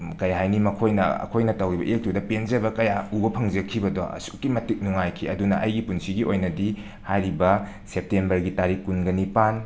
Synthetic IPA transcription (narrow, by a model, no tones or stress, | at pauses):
kɐjɦajnimɐkʰojnɐ̰ɐ̰kʰojnɐtɐwɾibɐ̰ʔek̚tudɐpend͡ʒɐbɐkɐjaubɐpʰɐŋd͡ʒɐkʰibɐdo̰ɐ̰su̥kːimɐtik̚nuŋajkʰiɐdunɐ̰ʔɐ̰jɡipunsiɡiʔojnɐdi | hajɾibɐ | sep̚tembɐɾɡitaɾikːunɡɐnipan